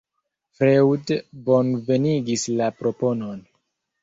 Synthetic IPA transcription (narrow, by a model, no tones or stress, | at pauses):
fɾewdbo̞nve̞niɡislapɾo̞po̞no̞n